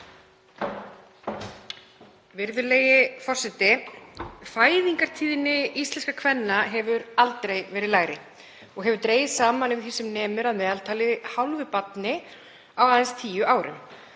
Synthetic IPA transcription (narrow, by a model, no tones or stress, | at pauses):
vɪɾðʏlejɪfɔr̥sɛt̪ɪ | faːjðiŋkaɾ̥t̪ʰiːðɪnːɪist̪lɛnskakʰvɛnːaɦɛvʏɾalt̪ɾejvɛːɾɪðlaːjɾɪ | ɔɣɦɛvʏɾt̪ɾeːjsaːmanʏvɪθisʏmnɛːmʏɾaðmɛːðalt̪ʰaːlɪhawlvʏpat̪nɪ | awaːðɛnst̪ʰiːjʏʔaːwɾɪ̰m